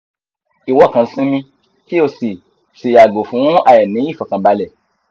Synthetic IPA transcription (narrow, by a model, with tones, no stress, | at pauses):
i˨wɔ˦˨kã˧˦sĩ˦mĩ˧ | ki˦o˧si˨ | si˨a˨ɡo˨fũ˨˦a˧jɛ˨nĩ˨˦i˦˨fɔ˨kã˧˦ba˨˦lɛ˦˨